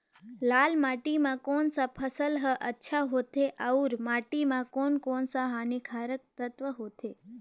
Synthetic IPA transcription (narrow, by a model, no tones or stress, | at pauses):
lalmaʈimãkonsapʰəsəlɦəʔətːʃʰaɦot̪ʰeʔauɾmaʈimãkonkonsaɦanikʰaɾək̚t̪ət̪ʋəɦot̪ʰe